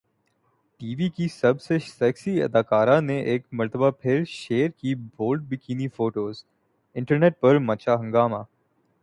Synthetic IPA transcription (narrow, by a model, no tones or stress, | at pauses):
ʈiːʋikisɐbsesɛːksiɐ̰d̪aːkaːɾãneʔeːkmɐɾt̪ʰəbapʰɪɾʃeːəɾkibʱoːlɖ̚bʱikiːnifoːʈoːz | ɪ̃ɳʈəɾneːʈ̚pɐɾmɐt͡ʃaɦɐ̃ŋɡaːmaː